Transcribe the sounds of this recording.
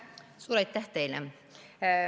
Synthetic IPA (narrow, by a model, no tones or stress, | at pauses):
suːɾejt̪ːæht̪ejle